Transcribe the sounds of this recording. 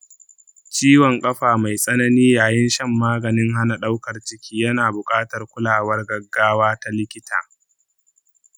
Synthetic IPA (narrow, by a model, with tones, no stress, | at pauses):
t͡ʃiː˦wɔ˨ŋkʼɐ˦ɸaː˨ma˨jsʼɐ˦nɐ˦niː˦jaː˨jɪ˦nʃɐ˦˨mːaː˦ɡɐ˨nɪ˦ŋɦa˦na˨ɗa˦wkɐ˨rt͡ʃɪ˦kʲiː˦jɐ˦naː˨bʊ˨kʼaː˦tɐ˨rkʷʊ˦laː˨wɐ˦rɡɐ˨ɡːaː˦waː˦ta˦lɪ˦kʲɪ˦tʰa̰ː˨